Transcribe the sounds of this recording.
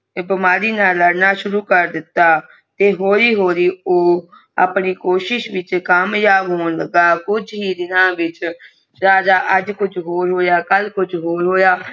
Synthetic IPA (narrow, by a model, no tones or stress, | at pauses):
bəmaːɾiːnaːləɽnaːʃʊɾuːkəɾd̪ɪt̪ːaː | t̪eːɦoːɾiːɦoːɾiːoː | a̰pɳiːkoːʃɪʃʋɪt͡ʃkamjaːbɦoːnləɡaːkʊd͡ʒɦiːd̪ɪnãːʋɪt͡ʃ | ɾaːd͡ʒaːʔəd͡ʒkʊd͡ʒʰɦoːɾɦoːjaːkəlkʊd͡ʒʰɦoːɾɦoːjaː